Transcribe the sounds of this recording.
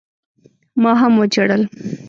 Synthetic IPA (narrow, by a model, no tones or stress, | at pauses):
mɑɦamwot͡ʃaɽəl